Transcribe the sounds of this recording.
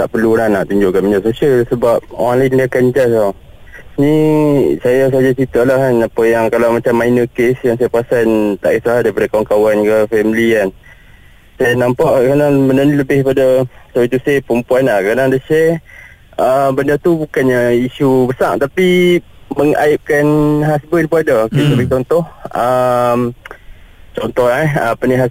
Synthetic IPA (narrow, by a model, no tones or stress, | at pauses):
t̪a̰ʔpərluɾanaʔt̪uɲd͡ʒʊʔkanmənasosialsəbap̚o̰ɣãnlaɪndiakaɲd͡ʒasa | nisajas̬aad͡ʒat͡ʃit̪aʔlahkanapəjaŋkalawmat͡ʃamːajnəkesjaŋsajapasant̪a̰ʔisaɦadaɾipadakawaŋkawankəfɛmlian | sajanampaʔkadaŋbənəniləbɪhpadasoit̪usɛpəmpuanlahkadaŋadəʃɛ | əbəndət̪ubukanɲaiʃubəsa̰ʔt̪apiməŋa̰ɪp̚kanɦasbənpəadakesəbəɡit͡ʃɔnt̪ɔhəm | t͡ʃɔnt̪ɔhlaəpəniɦa